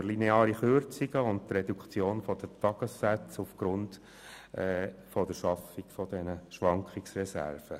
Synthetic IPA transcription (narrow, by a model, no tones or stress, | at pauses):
lineɑːɾiχøɾt͡siɡəʊnttrɛd̪ukχt͡sjoːnfɔd̥̪ətɑɡ̥əsːæt͡sufɡ̥ɾʊnd | ʔɛfɔdəɾʃɑfiɡfɔd̥ɛnəʃʋɑŋkχiksrɛsæ̰rfə